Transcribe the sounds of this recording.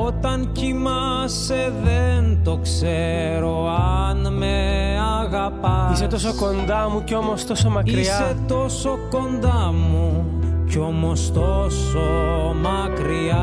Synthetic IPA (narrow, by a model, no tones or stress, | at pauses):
ot̪ɐncimɐ | se̞ðent̪o̞kse | ɾo̞ | ɐnmeɐɣɐpɐise̞t̪o̞so̞ko̞nd̪ɐmuceo̞mo̞st̪o̞so̞mɐkiɾisɐe̞t̪o̞so̞ko̞nd̪ɐmuco̞most̪osomɐkɾiɐ